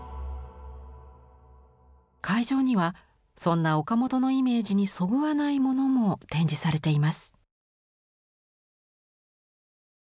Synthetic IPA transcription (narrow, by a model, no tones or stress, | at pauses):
kʰaiʑo̞ːɲ̟iβa | sõ̞nːao̞kamo̞t̪o̞no̞ime̞ːd͡ʑiɲ̟iso̞ɡɯ̟βanaimo̞no̞mo̞t̪ẽ̞ɲ̟d͡ʑisaɾe̞t̪e̞imasɨ̥